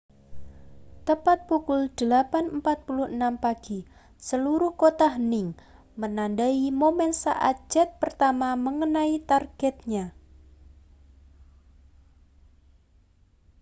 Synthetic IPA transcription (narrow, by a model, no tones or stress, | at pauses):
t̪əpat̪̚pukʊld̪̥əlapanəmpat̪̚pulʊhənampaɡ̥i | səluɾʊhkot̪aɦnɪŋ | mənandaimomɛnsa̰ʔa̰t̪̚d͡ʒ̥ɛt̪̚pərt̪amaməŋənait̪arɡ̥ɛt̪̚ɲa